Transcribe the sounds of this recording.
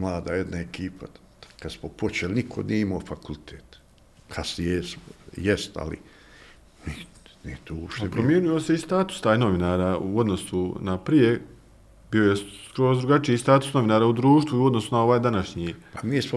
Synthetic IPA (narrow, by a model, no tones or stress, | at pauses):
mlˠaːd̪aːjed̪naekiːpʰa | kad̪smopot͡ʃelinikʰonieimoːfakult̪ʰeːt̪ | kʰasjesjest̪a̰lḭ | miː | niːt̪oopʃt̪ebpɾɾomje̞ːnujoseist̪aːt̪u̥st̪aːjno̞ʋinaːɾaːuo̞d̪no̞sunapɾije̞ | bio̞jekɾoːzd̪ɾuɡat͡ʃiist̪aːt̪u̥sno̞ʋinaːɾaːud̪ɾuːʃt̪ʋuiuo̞d̪no̞sunao̞ʋaːjd̪anaʃɲiːpamiːsmo